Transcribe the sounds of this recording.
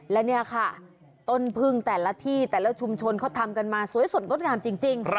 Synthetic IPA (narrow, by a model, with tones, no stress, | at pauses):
lɛ˦˥wni˥˩ɐkʰa˥˩ | t̪o˥˩npʰɯ˥˩ŋt̪ɛː˨˩la˦˥t̪ʰiː˥˩t̪ɛː˨˩lɛː˦˥˩wt͡ɕʰu˧mt͡ɕʰo˧nkʰɔː˥˩t̪ʰa˧mka˧nmaː˧su˨˩˦jso˨˩t̪̚ɾo˦˥ŋaː˧mt͡ɕi˧ŋt͡ɕi˧ŋ